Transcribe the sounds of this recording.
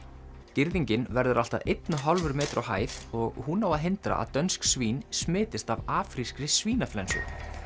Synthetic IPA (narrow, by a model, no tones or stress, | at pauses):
cɪɾðiɲcɪnvɛɾðʏɾʔalt̪aðʔejt̪nʏɦɔlvʏɾmɛːt̪ʏɾʔawɦa̰ːjθɔɣhunawaðɦɪnt̪ɾa̰ʔa̰ðt̪œnsksviːnsmɪːt̪ɪst̪avaːfɾiskɾɪsviːnaflɛnsṵ